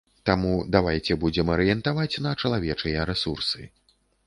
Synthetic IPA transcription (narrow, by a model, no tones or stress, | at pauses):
t̪amud̪avajt͡sʲɛbud͡zʲɛmɐɾɨjɛnt̪avat͡sʲnɐt͡ʂɐlˠavʲɛt͡ʂɨjɛɾɛsursɨ